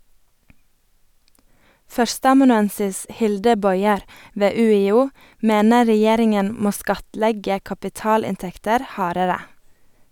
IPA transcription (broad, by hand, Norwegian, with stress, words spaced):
ˈfœɾstəɑmɑnʉˌɛnsɪs ˈhɪldə ˈbɔʏɛɾ ˈʋeː ʉːɪˈuː ˈmeːnə ɹɛˈjeːɾɪŋən ˈmoː ˈskɑtˌlɛɡə kɑpɪˈtɑːlɪnˌtɛktəɾ ˈhɑːɾəɾə